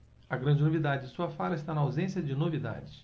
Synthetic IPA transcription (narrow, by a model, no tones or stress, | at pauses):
ɐɡɾɐ̃nd͡ʒɪnovid̪ad͡ʒɪd͡ʒɪsuɐfaɾɐɪst̪anɐawzẽsjɐd͡ʒɪnovid̪a̰d͡ʒɪ